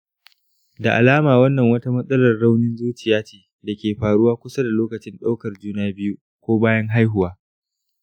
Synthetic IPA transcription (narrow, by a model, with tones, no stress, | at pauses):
da˨ʔa̰˨laː˦maː˨wɐ˦nːɐ˨ŋwɐ˦ta˦mɐ˦sʼɐ˦lɐ˨rːa˦wnɪ˦nzuː˦t͡ʃɪ˨jaː˦t͡ʃeː˨ | da˨kʲeː˨ɸaː˨ɽʊ˦waː˦kʷʊ˦sa˦da˨loː˦kɐ˨t͡ʃɪ˦nɗa˦wkɐ˨rd͡ʒuː˦naː˦bɪ˦ju˦ | kʷoː˦baː˦jɐ˦ŋɦa˦jɦʊ˨waː˦